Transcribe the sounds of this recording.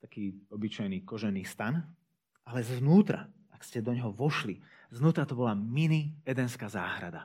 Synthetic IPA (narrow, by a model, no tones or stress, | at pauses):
t̪akiːɔbit͡ʃajniːkɔʒɛniːst̪an | ʔalɛznuːt̪ɾa̰ʔakscɛd̪ɔɲɦɔʋɔʃli | znuːt̪ɾat̪ɔbɔlaminiɛd̪ɛnskaːzaːɦɾad̪a